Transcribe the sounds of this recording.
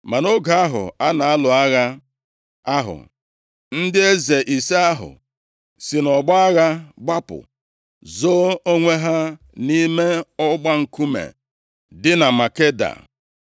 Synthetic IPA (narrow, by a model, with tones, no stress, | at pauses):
ma˨no˦ɡa˨a˦ɦʊ̰˨a˦na˨a˦lʊ˨a˦ɣa˦ | a˦ɦʊ̰˨ | n̩˦dɪ˦e˦ze˨ʔi˨se˦a˦ɦʊ̰˨ | si˨nɔ˨ɡ͡ba˦a˦ɣa˦ɡ͡ba˦pʊ̰˨ | zo˦o˦ŋʷe˦ɦa˦ | ni˦me˦ɔ˦ɡ͡ba˦ŋ̩˨ku˦mḛ˨ | dɪ˦na˨ma˨ke˦da̰˨